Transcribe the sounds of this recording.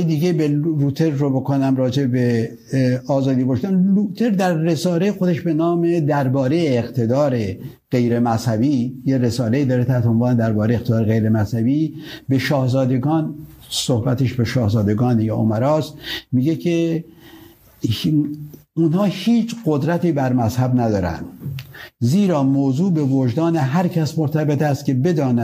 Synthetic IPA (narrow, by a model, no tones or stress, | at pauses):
ed̪iɟebeɾuːt̪ʰeɾːobokʰonæmrɒːd͡ʒebebe | ɒːzɒːd̪iːbɒːʃt̪ænluːt̪ʰeɾd̪æɾːesɒːlejexod̪eʃbe̞nɒːmed̪æɾbɒːɾejeːqt̪ʰe̞d̪ɒːɾe | ɢ̥e̞jɾemæshæbiːjeɾesɒːleiːd̪ɒːɾet̪ʰæt̪ʰonvɒːned̪æɾbɒːɾejeqt̪ʰed̪ɒːɾeɣejɾemæshæbiːbeʃɒːhzɒːd̪eɡɒːn | sohbæt̪eʃbeʃɒːhzɒːd̪eɡɒːnjɑːo̰mæɾɒːst̪miːɡekʰe | unhɒːhiːt͡ʃʰɢod̪ɾæt̪iːbæɾmæshæbnæd̪ɒːɾæ̰nd̪̥ | ziːɾɒːmoːzuːbe̞vod͡ʒd̪ɒːneɦæɾcʰæsmoɾt̪ʰæbet̪æst̪̚cʲe̞be̞d̪ɒːnæ